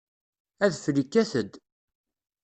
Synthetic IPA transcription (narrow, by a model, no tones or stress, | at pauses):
æðfɾikːæθəd̪